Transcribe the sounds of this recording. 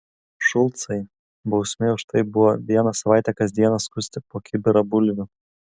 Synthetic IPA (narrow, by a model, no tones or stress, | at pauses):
ʃʊlˠt̪sɐɪ | bɒʊsʲmʲeːʊʃt̪ɐɪbʊʋɔʋʲiɛnɐsɐʋɑˑɪt̪ʲɛkɐsd̪ʲiɛnɐskʊsʲt̪ʲɪpoːkʲɪbʲɪɾɐbʊlʲʋʲʊ